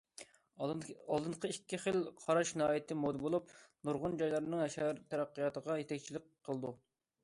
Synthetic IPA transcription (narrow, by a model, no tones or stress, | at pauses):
ɑlˠd̪ɨɴqʰəikʲːiχəlˠqʰɑɾɑʃnɦɑːjɪt̪ʰɪmod̪ɨbolˠupnuɾʁʊnd͡ʒɑjlˠɑɾnɨŋɦɛʃæɾt̪ʰɛɾæqːijɑt̪əʁɑjet̪ʰɛkʲt͡ʃʰilɪk̚ʲqʰːəlˠd̪u